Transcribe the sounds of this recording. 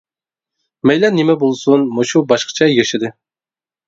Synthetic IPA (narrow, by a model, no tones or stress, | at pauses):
mɛjlɛnːemɛbolˠsunmoʃubɑʃqə̥t͡ʃʰɑjɑʃɪd̪ɨ